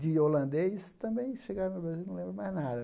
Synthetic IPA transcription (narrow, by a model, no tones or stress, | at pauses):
d̪ɪolɐ̃nd̪ejst̪ɐ̃mbẽj̃ʃeɡaɾɐ̃nʊbɾazilˠñw̃lẽmbɾɐmajznad̪ɐ